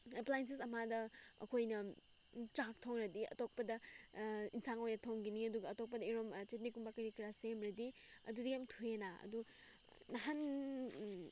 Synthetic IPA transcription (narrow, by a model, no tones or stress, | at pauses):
eplajens̬es̬ɐmadɐɐ̰kʰojnɐ | tɾak̚tʰowŋɾɐdiɐ̰tok̚pɐdɐ | insaŋojnɐtʰowŋɡiniɐduɡɐɐtok̚pɐdɐiɾomt͡ʃet̬̚nikumbakɐɾikiɾasemɾɐdi | ɐ̰dudiɡiamtʰuenaɐ̰du | nɐɦan